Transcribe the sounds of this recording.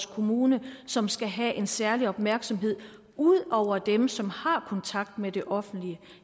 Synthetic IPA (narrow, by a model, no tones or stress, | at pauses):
skʰo̝muːnəsɒ̽msɡ̥æɦæʔe̝nsæɐliɒ̽b̥mæɐɡ̥sɒ̽mɦe̝ð̞̰ˠ | uð̰ˠɒʊ̰ɐd̥emsɒ̽mhɑ̈kʰɒ̽nt͡sʰɑ̈ɡ̥̚d̥med̥e̝ʔɒ̽fn̩d̥liə